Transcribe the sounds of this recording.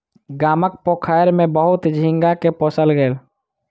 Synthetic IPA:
ɡaːmək̚pokʰajɾmẽbəɦʊt̪d͡ʒʱĩŋɡakepoːsəlɡəel

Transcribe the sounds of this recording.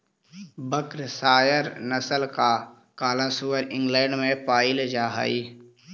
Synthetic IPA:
bəkɾsaːjəɾnəsəlka | kaːlasuwəɾɪ̃ŋɡlɛ̃ːɳɖmẽpaːɪld͡ʒaːɦa̰ːi

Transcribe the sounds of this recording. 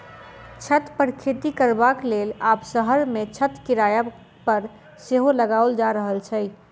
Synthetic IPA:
t͡ʃʰət̪pəɾkʰet̪ikəɾbaklelaːpsəɦəɾmẽt͡ʃʰət̪kiɾaja | pəɾ | seɦoləɡaold͡ʒaɾəɦəlt͡ʃʰəj

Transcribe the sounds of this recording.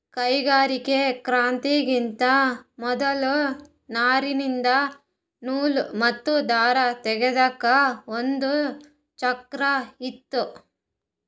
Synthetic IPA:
kɐjɡaːɾikekɾaːnt̪iɡint̪ɐmɔd̪ɐlu | naːɾinind̪ɐ | nuːlumɐt̪ːud̪aːɾɐt̪ɛɡed̪ɐkːɐond̪u | t͡ʃɐkɾɐit̪ːu

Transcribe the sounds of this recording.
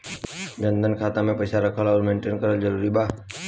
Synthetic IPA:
d͡ʒə̃nd̪ʱənkʰaːt̪ãmẽpəɪsaɾəkʰəlɔːɾmẽːɳʈeːnkəɾəld͡ʒəɾuːɾibaː

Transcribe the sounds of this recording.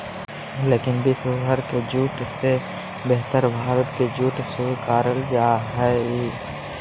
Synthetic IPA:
leːkɪnbɪsʊɦəɾked͡ʒuːʈse | beɦt̪əɾbʱaːɾət̪ked͡ʒuːʈsukaːɾəld͡ʒaːɦɛiː

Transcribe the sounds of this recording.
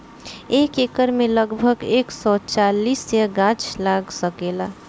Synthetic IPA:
eːkeːkəɾmẽləɡbʱəɡeːksɔt͡ʃaːliːseɡãt͡ʃlaːɡsəkela

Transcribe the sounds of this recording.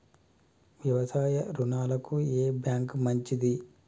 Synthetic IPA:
ʋjɐʋɐsaːjɐɾunaːlɐkueːbjaːŋkmɐɲt͡ʃid̪i

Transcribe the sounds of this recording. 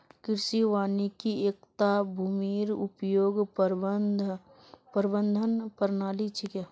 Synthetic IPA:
kɪɾsiʋaːnikieːk̚t̪abʱuːmiːɾʊpjoːɡ | pəɾbənd̪ʱənpəɾnaːlit͡ʃʰika

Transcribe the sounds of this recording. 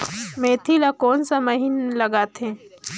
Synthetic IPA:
mẽːt̪ʰilakoːnsamɐɦinlɐɡaːt̪ẽː

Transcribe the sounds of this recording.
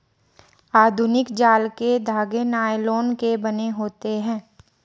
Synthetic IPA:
aːd̪ʱʊnɪkd͡ʒaːlked̪ʱaːɡenaːeloːnkebɐneɦoːt̪eɦɛ̃ː

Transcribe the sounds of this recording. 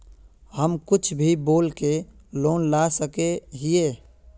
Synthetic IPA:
həmkʊt͡ʃʰbʱiboːlke | loːnlasəkeɦɪeː

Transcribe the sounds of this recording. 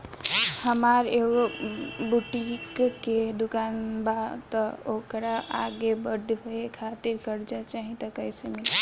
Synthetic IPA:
həmaɾeɡobuʈikːed̪ukanbat̪əokɾaa̰ɡebəɖʱɦoekʰat̪iɾkəɾd͡ʒat͡ʃaɦit̪əkəjsemil

